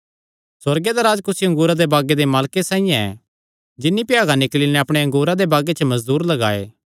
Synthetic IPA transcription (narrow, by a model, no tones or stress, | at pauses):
sɐɾɡed̪aɾaːd͡ʒkʊsiɐ̃ŋɡuːɾad̪ebaːɡed̪emaːlkesaːĩjãɛ̰ | d͡ʒɪnːipɪjaːɡanɪklinɛɐpɽ̃eɐ̃ŋɡuːɾad̪ebaːɡet͡ʃʰəmɐzd̪uːɾlɐɡaːḛː